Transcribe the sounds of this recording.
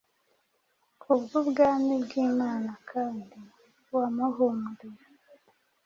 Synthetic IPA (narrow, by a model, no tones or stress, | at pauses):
kʰubɡubɡamibɡiːmaːnakʰaːndi | wamaɦomude